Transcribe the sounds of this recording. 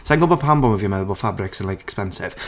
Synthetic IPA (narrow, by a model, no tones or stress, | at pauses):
sɛ̃ŋɡəlˠbəpʰãmbɔ̃məvjəmɛðəbəlˠfabɹɪksə̃nlajkʰɛ̥kspɛ̃nsɪ̰v̥